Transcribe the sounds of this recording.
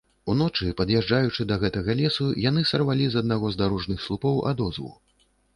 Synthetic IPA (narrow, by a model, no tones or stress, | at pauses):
unɔt͡ʂɨpɐd̪jɛʐd͡ʐajut͡ʂɨd̪ɐɣɛt̪ɐɣɐlʲɛsujanɨsɐrvalʲizɐd̪naɣɔzd̪aɾɔʐnɨxslˠupɔwʔa̰d̪ɔzvṵ